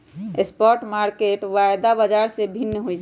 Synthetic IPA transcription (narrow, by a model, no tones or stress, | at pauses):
espɔɾʈmaɾkeʈʋajd̪abad͡ʒaɾsebʱinːəɦojd͡ʒ